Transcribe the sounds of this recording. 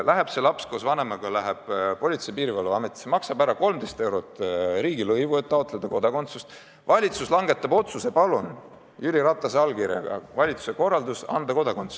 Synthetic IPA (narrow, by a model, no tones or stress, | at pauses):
lʔæɦeb̥se̞lɑpskosvɑne̞mɑɡ̥ɑlæɦeb̥po̞lʲit̪se̞jpiːɾivɑlːuɑme̞t̪ːˑi̥semɑksɑbæɾɑko̞lmd̪e̞jst̪ewɾot̪ːˑɾiːɡilɤjvue̞t̪ːɑot̪ːˑle̞d̪̥ɑko̞d̪̥ɑko̞nt̪sust̪ | vɑlʲit̪suslɑŋɡ̥e̞t̪ːˑɑbo̞t̪suse̞pɑlun | jyliɾɑt̪ːˑɑseɑlkiɾjɑ̰ɡɑ̰vɑlʲit̪su̥se̞ko̞rːɑld̪usɑ̰nd̪ɑko̞d̪ɑkont̪su̥